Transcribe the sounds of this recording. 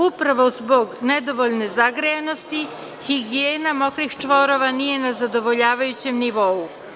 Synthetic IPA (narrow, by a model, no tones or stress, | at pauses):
upɾaʋo̞zbo̞ɡned̪o̞ʋoʎne̞zaɡɾejano̞st̪i | xiɡijeːnamo̞kɾixt͡ʂʋoɾo̞ʋanije̞nazad̪o̞ʋo̞ʎaːʋajut͡ɕe̞mniʋo̞u